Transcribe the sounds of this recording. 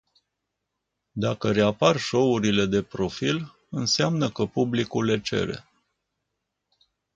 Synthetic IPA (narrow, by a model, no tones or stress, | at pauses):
d̪akəɾe̞aparʃo̞uɾile̞d̪e̞pɾo̞fil | ɨnseamnəkəpublikulːe̞t͡ʃe̞̰ɾe̞̰